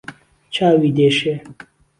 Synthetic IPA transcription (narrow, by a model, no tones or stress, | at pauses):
t͡ɕʰaːwid̪eʃe